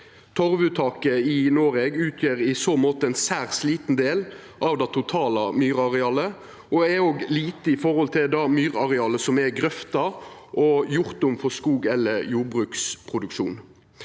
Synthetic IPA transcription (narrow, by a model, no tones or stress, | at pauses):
t̪ʰɔʁʋʉt̪ʰɑːkəɪnoːɾɛɡʉːt̪ʰjøːɾɪsoːmoːt̪əɛnsæːʁsliːt̪n̩d̪eːl | ʔɑʋd̪ɑt̪ʰʊt̪ʰɑːlɑmyːɾɑʁɛɑːlə | ɔɛoːɡliːt̪əɪfɔɾhɔlt̪ʰɪld̪ɑmyːɾɑʁɛɑːlːəsɔmɛɡɾœft̪ɑʔɔjʊʁt̪ʊmfɔskuːɡɛlːəɾjuːɾbʁʉːkspʰʁʊd̪ʉkʃṵːn